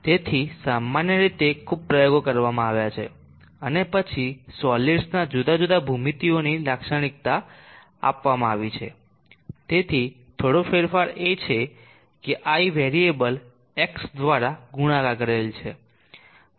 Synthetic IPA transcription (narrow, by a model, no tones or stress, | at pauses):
t̪et̪ʰisamːanjəɾit̪ekʰub̚pɾəjoɡokəɾʋamãaʋjat͡ʃʰḛ | ənepət͡ʃʰisɔliɖsnad͡ʒud̪ad͡ʒud̪abʱumit̪ionilakʃəɽ̃ik̚t̪a | a̰pʋamãaʋit͡ʃʰḛ | t̪et̪ʰi | t̪ʰoɽofeɾfaɾet͡ʃʰe | keʔaiʋeɾiebəl | eksd̪ʋaɾaɡuɽ̃ãkakəɾelt͡ʃʰe